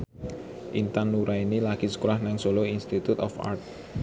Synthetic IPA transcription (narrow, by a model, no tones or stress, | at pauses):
ʔint̪anːuɾainilaɡ̥isə̥kuɾahnaŋsoloinst̪it̪ut̪ɔfa̰rt̪̚